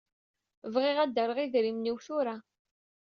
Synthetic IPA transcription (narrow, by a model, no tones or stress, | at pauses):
vʁɪʁæd̪ːəɾˤəʁiðɾimniwθʊɾa